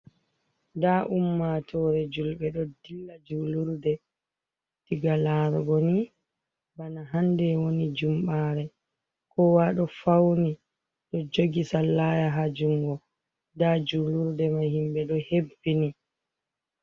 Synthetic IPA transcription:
daʔumːatʰɔːɾɛd͡ʒulɓɛɗɔdilːad͡ʒuluɾdɛ | tiɡalaːɾɡoni | banaɦandɛwonid͡ʒumɓaːɾɛ | kɔwaɗɔfawni | ɗɔd͡ʒoɡisalːaːjaɦad͡ʒuŋɡɔ | dad͡ʒuluɾdɛmahimɓɛɗɔhebːini

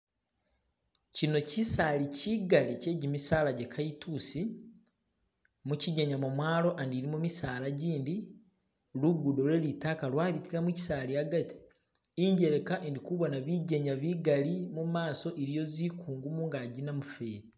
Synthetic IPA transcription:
cino̞cisaːliciɡalice̞ːɟimisaːlaɟekʰajitʰusi | muciɟeɲamumwaːɾo̞ʔandiɾimumisaːlaɟiːndi | luɡudo̞ɾwe̞litaːkalwaːβitiɾamuci̥saːliaɡati̥ː | ɲɟe̞ɾe̞kaʔendikuβonaβiɟeɲaβiɡalimumaːso̞ʔeɾijo̞zikuːŋɡumuŋɡaɟinamufeːɾi

